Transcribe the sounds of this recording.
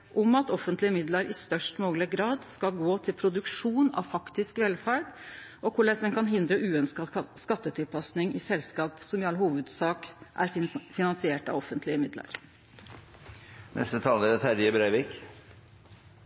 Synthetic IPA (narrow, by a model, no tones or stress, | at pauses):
ʔɔmɑt̪ɔfənt̪lɪəmɪd̪ləɾɪst̪œʂʈmoːɡəlɪɡɾɑːd̪skɑlɡoːt̪ʰɪlpʰɾʊd̪ʉkʂuːnɑ̰ʋfɑkt̪ɪskʋɛlfæːɖʔɔkʰʊɭæsɛnkʰɑnɦɪnd̪ɾəʔʉːœnskɑskɑt̪ːət̪ʰɪlpʰɑsnɪŋɪsɛlskɑːpsɔmɪɑlːhuːʋəd̪sɑːkʔæ̰ɾfɪnɑnsɪeːʈɑ̰ʋɔfːənt̪lɪəmɪd̪lə̰ɾ | nʔɛ̰st̪ət̪ʰɑːləɾɛt̪hæɾjəbɾeɪʋɪk